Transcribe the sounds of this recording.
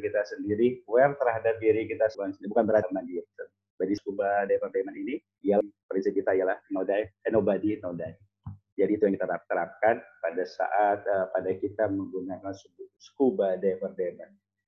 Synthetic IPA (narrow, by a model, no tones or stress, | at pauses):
kit̪asəndiɾiwɛrt̪əɾɦadap̚diɾikit̪asəbansənibukanbəɾamandiapt̪ə | badisə̥kubadajpərdemanini | ijalpɾinsip̚kit̪aijalahnodajɛnobadinodai | d͡ʒadiːt̪ujaŋkit̪aɾap̚t̪əɾap̚kanpadasa̰ʔat̪̚əpadakit̪aməŋɡunakansəbsə̥kubadajpərdeman